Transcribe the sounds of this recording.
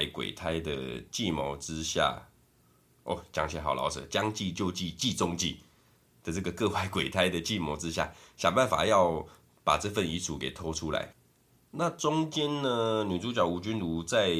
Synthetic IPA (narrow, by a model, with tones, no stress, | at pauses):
ɪkwḛ˨˩ɪt̪ʰa˥ɪd̪ə̰˨˩t͡ɕi˥˨mo˧˥ʊt͡sɻ̩˦ɕja̰˥˩ | ʔɔ̰˥˩t͡ɕja̰˨˩ŋt͡ɕʰɛ˧˥˦xɑ˨˩ʊlʔɑ̰˨˧˦ʊt͡sɤ̰˨˩˦t͡ɕja˦ŋt͡ɕi˥˧t͡ɕjo˥˧ʊt͡ɕi˥˧t͡ɕi˥˨t͡sʊ˥˦ŋt͡ɕḭ˥˨ | d̥̪ə˨t͡sɤ˥˩ɡə˨kɤ˥˧wa˥˩ɪkwe˨˩ɪt̪ʰa˥ɪd̪ə˨t͡ɕi˥˨mɔ˧˥t͡sɻ̩˦ɕja̰˥˩ɕja˨˩ŋba˥˨nfa̰˨˩jɑ˥˩ʊ | pa˨˩t͡sɤ˥˧fə˥˨ni˧˥t͡sʰu˨˦ke˨˩ɪt̪ʰɔ˥ʈ͡ʂʰu˦la̰˧˦ɪ | na˥˨t͡sʊ˦ŋt͡ɕjɛ˥˦nnə˨ny˨˩t͡su˥t͡ɕjɑ˨˩ʊu˧˥t͡ɕy˥nlu˧˥t͡sa˥˧ɪ